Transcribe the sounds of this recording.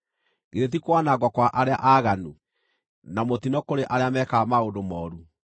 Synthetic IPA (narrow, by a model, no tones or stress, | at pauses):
ɣeðet̬ikwanaɡwɔkwaʔaɾea̰ʔaɣanu | namot̪inɔkoɾeʔaɾeamɛkamaondomɔːɾu